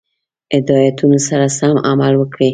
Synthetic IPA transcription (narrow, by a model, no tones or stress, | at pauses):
ɪd̪ɑjat̪unosaɾasamamalwəkɽi